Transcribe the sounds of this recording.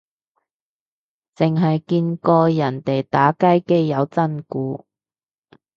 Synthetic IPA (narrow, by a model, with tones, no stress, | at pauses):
t͡sɪ˨ŋɦɐ˨jkiː˧nkɔː˧jɐ˨˩nt̪e˨jt̪aː˨˥kɐ˥jke˥jːɐ˨˧wt͡sɐ˥nkuː˨˧˥